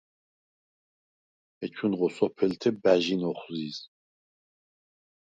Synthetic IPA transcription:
ɛt͡ʃʰunʁɔsʼɔpʰɛlt̪ʰɛbæʒinɔχziːz

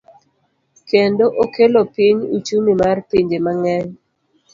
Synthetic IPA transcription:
kendoʔokelopiɲut͡ʃumimarpiɲd͡ʒemaŋɛɲ

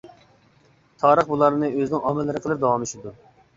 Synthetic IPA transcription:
t̪ʰɑːɾəχbulˠɑɾnɨøznɪŋɑmɛlːɨɾəqʰəlˠɨɾ̚d̪ɑwɑmyʃid̪u

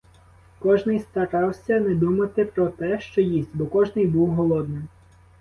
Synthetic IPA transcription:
kɔʒnɪjst̪ɐɾɑwsʲɐnɛd̪umɐt̪ɪpɾɔt̪ɛʃt͡ʃɔjisʲtʲbɔkɔʒnɪjbuwɦɔlˠɔd̪nɪm

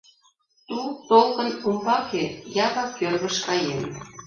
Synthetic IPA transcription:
t̪ut̪olkə̆numbɑkejɑβɑkølɣə̆ʃkɑjen

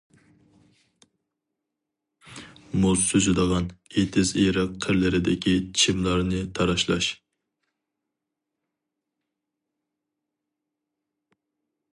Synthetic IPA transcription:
mosøzɪd̪əʁɑnet̪ʰɪzeɾɨqʰːəɾlɪɾɪd̪ɪkʲit͡ʃʰimlˠɑɾnɨt̪ʰɑɾɑʃlˠɑ̰ʃ

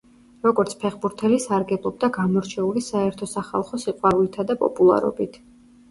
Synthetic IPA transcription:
ɾɔɡɔɾt̪sʰpʰɛχbuɾt̪ʰɛlisaɾɡɛblˠɔb̚d̪aɡamɔɾt͡ʃʰɛulisaɛɾt̪ʰɔsaχa̰lˠχɔsiqʼwaɾulit̪ʰad̪apʼɔ̰pʼulˠa̰ɾɔ̰bit̪ʰ

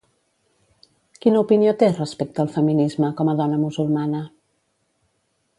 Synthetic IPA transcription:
kinəupiniot̪erəspek̚t̪əːlˠfəminizməkɔməðɔnəmuzulˠmanə

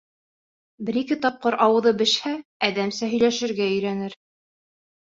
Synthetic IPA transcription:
bɘ̆ɾikɘt̪ɑp̚qɤɾʔɑwɤ̆ðɤbɘ̆ʃhæːðæmsæɦɵ̆jlæʃɘ̆ɾɡæɵ̆jɾænɘɾ

